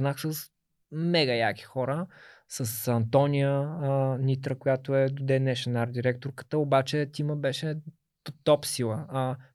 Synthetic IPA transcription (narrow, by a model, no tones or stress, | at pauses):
naxsəs | mɛɡəjaki̥xɔɾə | səsɐnt̪ɔnʲijənʲit̪ɾəkojat̪oɛd̪od̪ɛnɛʃɛnaɾd̪iɾɛk̚t̪oɾkə̥t̪əobat͡ʃɛt̪ʲiməbɛʃɛ | t̪ɔpsilˠə